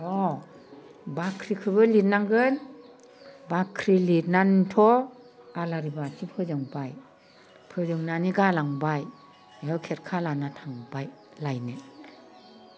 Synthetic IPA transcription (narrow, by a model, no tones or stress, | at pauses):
ɔ | bakʰɾikʰɯbɯlitnaŋɡɯn | bakʰɾilitnantʰɔ | alaɾibasipʰɯzɯŋbaj | pʰɯzɯŋnaniɡalaŋbaj | eɯwkʰeɾkʰalanatʰaŋbaj | lajne